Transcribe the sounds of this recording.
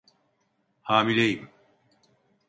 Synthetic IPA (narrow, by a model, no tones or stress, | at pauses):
haːmilʲejim